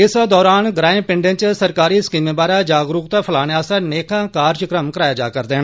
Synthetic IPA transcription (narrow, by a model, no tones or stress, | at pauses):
ɪsd̪ɔːɾaːnɡɾaːẽːpɪ̃ɳɖẽnt͡ʃsəɾkaːɾiːɪskiːmẽːbaːɾaːd͡ʒaːɡɾuːkt̪aːpʰəlaːneaːsaneːkʰãːkaːɾt͡ʃkɾəmkəɾaːjaːd͡ʒa̰ːkəɾd̪eːn